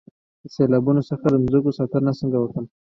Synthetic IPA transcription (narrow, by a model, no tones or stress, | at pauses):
d̪̥əselɑbunosəxad̪əmzukosɑt̪əɾnasəŋɡawəkəm